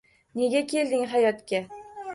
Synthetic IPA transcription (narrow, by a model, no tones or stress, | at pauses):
ne̞ɡʲakʲʰe̞ld̪ɪŋɦajɒt̪kʲa